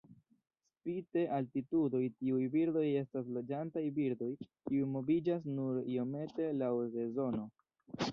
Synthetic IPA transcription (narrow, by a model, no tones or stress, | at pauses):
spite̞ʔaltitudo̞jtiujbiɾdo̞je̞stas̬lo̞d͡ʒantajbiɾdo̞jkiujmo̞bid͡ʒas̬nuɾio̞me̞te̞lawɾe̞zo̞no̞